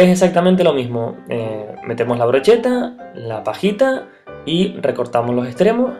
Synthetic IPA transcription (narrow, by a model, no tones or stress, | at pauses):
esesak̚t̪amẽnt̪̬e̞lo̞mizmoeme̞t̪e̞mo̞zlaβ̞ɾo̞t͡ʃe̞t̪alapaxit̪a | ire̞ko̞ɾt̪amozlo̞se̞st̪ɾe̞mo